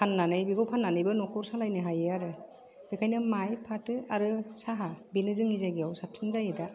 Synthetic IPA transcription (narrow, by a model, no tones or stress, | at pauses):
pʰanːanɯjbiɡawpʰanːanɯjbɯnɔkʰɔɾsalajnɯɦajeaɾɯ | b̥ekʰajnɯmajpʰatɯaɾɯsaɦabinɯzɯŋizaɡijawsap̚sɯnzajeda